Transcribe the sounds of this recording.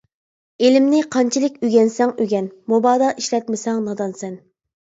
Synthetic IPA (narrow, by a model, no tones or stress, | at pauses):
elɪmnɪqʰɑnt͡ʃʰilɪkʲyɡʲɛnsɛŋyɡʲɛnmobɑːd̪ɑʔiʃlɛt̪mɪsɛŋnɑd̪ɑnsɛn